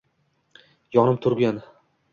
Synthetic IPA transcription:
jɒnɪmt̪ʰʊɾɡʲan

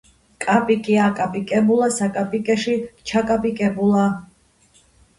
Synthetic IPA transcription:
kʼapʼikʼiakʼapʼikʼɛbulˠasakʼapʼikʼɛʃit͡ʃʰakʼapʼikʼɛbulˠa

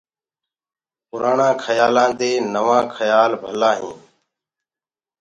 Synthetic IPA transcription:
pʊɾaːɳãːkʰəjaːlãːt̪eːnəʋãːkʰəjaːlbʱəlãːɦḭ̃ː

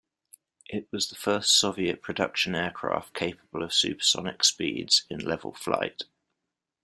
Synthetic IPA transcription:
ʔɪʔwɒzðəfɜˑstsɒviəʔpʰɹ̥ədʌ̰kʃə̃nɛːkʰɹ̥ɑ̰ˑftkʰeɪpəb̥ələv̥sʉ̰ˑpsɒ̰nɪ̰kspḭːdz̥ɪ̰̃nlɛvə̰lˠfla̰ɪt

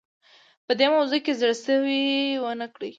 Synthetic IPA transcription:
pəd̪emawzukezɽsəwiwənəkɽi

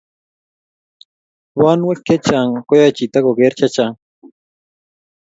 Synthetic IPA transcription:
wanwekːet͡ʃaŋkojajt͡ʃit̪akokeɾt͡ʃat͡ʃaŋ

